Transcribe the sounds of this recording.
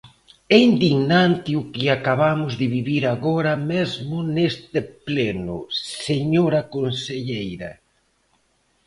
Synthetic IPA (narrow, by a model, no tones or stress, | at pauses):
ɛind̪iɣnant̪ɪʊkɪakaβamʊzðɪβiβiɾaɣɔɾɐmɛzmʊnest̪ɪplɛnʊ̰seɲoɾɐkonseʎejɾɐ̰